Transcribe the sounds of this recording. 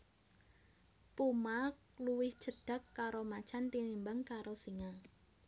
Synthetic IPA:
pumakluwɪhd͡ʒ̥əɖ̥a̤kːaɾomat͡ʃant̪inimbaŋkaɾosiŋa

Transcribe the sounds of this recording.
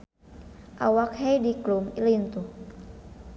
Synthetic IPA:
ʔa̰wak̚hɛjdiklumilint̪u

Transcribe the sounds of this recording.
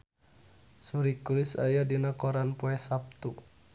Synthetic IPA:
suɾikulisa̰jadinakɔɾanpɔɛsap̚t̪u

